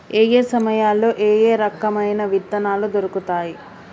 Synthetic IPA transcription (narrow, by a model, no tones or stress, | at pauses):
eːje̞ːsɐmɐjaːlːoːʔeːjeːɾɐkːɐmɐjnɐʋid̪ːɐnaːlud̪oɾukut̪aːji